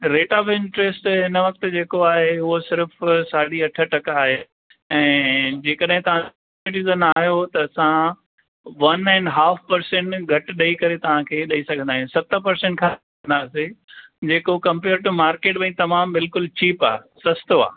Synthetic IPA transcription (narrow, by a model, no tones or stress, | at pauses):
ɾeːʈaːfɪ̃ɳʈɾesʈɪnəʋɐk̚t̪ɪ̆d͡ʑeːkoaːɦeʊɦosɪɾfsaːɽiɐʈʰəʈɐkaːɦe | ɛ̃ːd͡ʑeːkəɗɦɪ̃t̪ɐʋ̤ã | ɪʈ̬ɪzənaːɦjot̪ɐːsã | ʋɐnɛ̃ːɳɖɦaːfʰpɐɾsẽɳʈɡʱɐʈɗɐikɐɾet̪ɐʋ̤ãkʰeːɗɐisɐɡʱə̃nd̪aːijũsɐt̪əpɐɾsẽɳʈkʰã | nd̪aːsed͡ʑeːkokɐ̃mpeːɾʈumaːɾkeːʈbɐ̃ːt̪ɐmaːmbɪlkʊlt͡ɕʰiːpa̰ːsɐst̪oa̰ː